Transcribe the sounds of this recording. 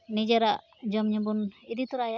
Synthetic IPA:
nid͡ʒaɾaʔ | d͡ʒɔmɲəbunid̪it̪uɾaja

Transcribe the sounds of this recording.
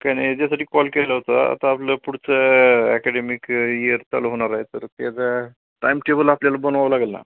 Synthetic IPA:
kanid͡ʑas̬aʈiːkɔlkeləɦot̪aa̰t̪aːpləpuɽt͡səɛkɛɖemikiəɾt͡sa̰loɦoɽ̃aɾaɦet̪əɾk̪ed̪a | ʈajmʈebəlapljalabənʋaʋlaɡəlna̰

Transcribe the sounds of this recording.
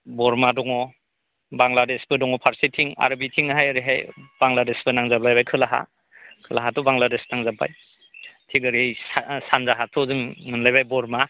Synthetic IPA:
bɔɾmadɔŋɔ | baŋladesbɯdɔŋɔpʰaɾsitʰiŋa̰ɾabitʰiŋɦajaɾiɦajb̥aŋladesbɯnaŋzablajbajkʰɯlaɦa̰ | kʰɯlaɦatɔbaŋladesnaŋzaba̰j | tʰiɡɯɾejssanzaɦatʰɔzɯŋnɯnlajbajbɔɾma

